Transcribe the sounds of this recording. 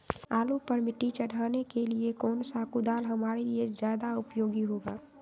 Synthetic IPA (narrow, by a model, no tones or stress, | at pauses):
aːlupəɾmɪʈːit͡ʃəɽ̤ʱaːnekeliekɔːnsakud̪aːlɦəmaːɾeliezjaːd̪aʊpjoːɡiɦoːɡaː